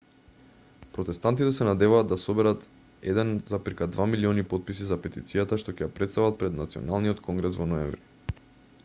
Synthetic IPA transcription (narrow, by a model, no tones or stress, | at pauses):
pɾot̪ɛst̪ant̪it̪ɛsɛnad̪ɛvaːd̪ːasobɛɾat̪ | ɛ̰d̪ɛnzapiɾkad̪vamiliɔnipot̪̚pisizapɛt̪ḭt̪sijat̪aʃt̪ocɛjapɾɛt̪st̪avat̪̚pɾɛd̪nat̪siɔ̰nalˠniɔt̪kʰɔŋɡɾɛsvɔnɔɛɱvɾi